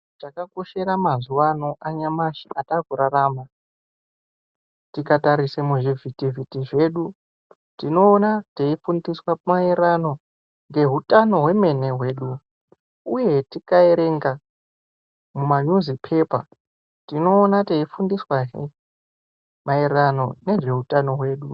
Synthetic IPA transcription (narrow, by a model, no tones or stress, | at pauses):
t͡ʃakako̞ʃe̞ɾamazuwano̞ʔaɲamaʃi̥atakuɾaraːma | tikataɾisamuʐivʱitivʱitiʐe̞ːɗu | tino̞ːnateifundiswamaeɾano̞ | ŋɡe̞ɦutano̞ɦwe̞me̞ne̞ɦwe̞ːɗu | uje̞tikaeɾe̞ŋɡa | mumaɲuzipʰe̞pa | tino̞ːnateifundiswaɦi | maerano̞ne̞ʐe̞ɦutʼano̞ɦwe̞ːɗu